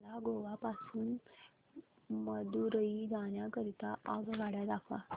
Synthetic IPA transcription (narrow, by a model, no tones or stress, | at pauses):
laɡoʋapasuːn | məd̪uɾəid͡zaɳjakəɾit̪aʔaɡʋaɽjad̪akʰʋa̰